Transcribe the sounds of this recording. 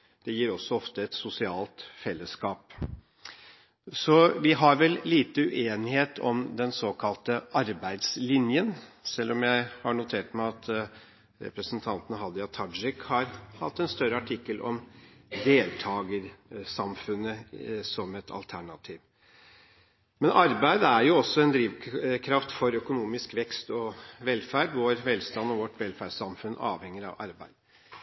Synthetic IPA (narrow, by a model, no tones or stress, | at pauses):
d̪̥ɛjiːɾɔsːɔɔft̪əɛt̪sʊsɪɑːlt̪fɛlːəskɑːp | sɔʋɪɦɑɾʋɛlliːt̪əʉʔeːnɪheːt̪ʰɔ̰md̪ɛnsoːkʰɑlt̪əʔɑɾbæɪd̪slɪnjənsɛlːɔmjæɪhɑɳʊt̪ʰeːʈmæɪɑt̪ | ɾɛ̰pɾəsənt̪ʰɑnt̪ənhɑd̪ɑt̪ʰɑd͡ʒɪkhɑɾhɑ̰t̪ːɛnst̪œɾəɑʈʰɪkːəlʔɔ̰md̪eːlt̪ʰɑːɡəɾsɑmfʉnːəsɔmɛt̪ʰɑ̰lt̪ʰæɳɑt̪ʰiːʋ | mɛnɑɾbæɪd̪əæɾjʊɔsːɔɛnd̪ɾiːʋkʰɾɑft̪fɔɾœkʊnuːmɪskʋɛkst̪ɔʋɛlːfæɖʋoːɾʋɛlst̪ɑnːɔʋɔʈʋɛlfæɖsɑmfʉnʔɑ̰ːʋhɛŋːəɾɑ̰ʋɑ̰ɾbæɪd̪